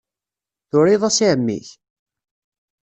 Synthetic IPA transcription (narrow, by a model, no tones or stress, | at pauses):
θʊɾiðˤæsiʕəmːḭç